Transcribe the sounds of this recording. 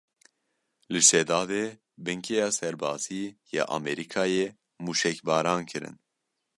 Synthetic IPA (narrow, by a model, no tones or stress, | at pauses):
lɨʃɛd̪ɑːd̪eː | bɨŋkʰejɑːsɛɾbɑːz̥iːjɛ̰ʔɑ̰mɛɾikʰɑːje | muːʃɛkbɑːɾɑːnkʰɨɾɨ̰n